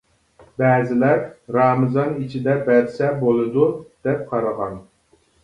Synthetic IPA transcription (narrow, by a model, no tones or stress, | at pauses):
bɛːzɪlæɾɾɑːmɨzɑnit͡ʃʰid̪ɛbɛɾsɛbolˠɨd̪ud̪̥ɛp̚qʰɑɾɨʁɑn